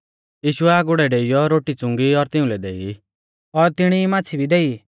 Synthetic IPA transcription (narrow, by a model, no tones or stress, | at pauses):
jiːʃʊɛaɡʊɽɛɖeijɔɾoːʈit͡sʊ̃ŋɡiɔɾt̪ɪũlɛd̪ei | ɔɾt̪ɪɽ̃imãːt͡sʰibʱid̪ɛi